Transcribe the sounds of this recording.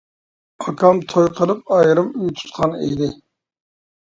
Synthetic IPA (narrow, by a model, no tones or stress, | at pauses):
ɑkʰɑmt̪ʰojqʰəlˠɨp̚ɑjɾɨmyjt̪ʰu̥t̪̚qʰɑnḛjd̪ɪ